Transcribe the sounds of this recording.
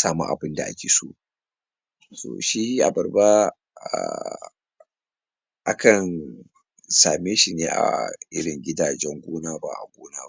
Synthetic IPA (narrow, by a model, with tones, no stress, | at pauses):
saː˦mṵ˦ʔa̰˨bɪ˦nda˨ʔa˦kʲeː˨sṵ˦ʔ | so̰ː˨ʃi˦ʔa̰˨bɐ˨rba˦ | a̰˨ | ʔa˦kɐ˨n | saː˨meː˦ʃi˨neː˦ʔa̰˨ʔɪ̰˦ɽɪ˨ŋɡʲɪ˦daː˨d͡ʒɛ˦ŋɡʷoː˦naː˦ba̰˨ʔa̰˨ɡʷoː˦naː˦